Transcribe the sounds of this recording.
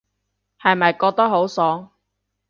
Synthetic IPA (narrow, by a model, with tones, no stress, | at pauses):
hɐ˨jmɐ˨jkɔː˧k̚t̪ɐ˥k̚ɦo˨˥wsɔː˨˥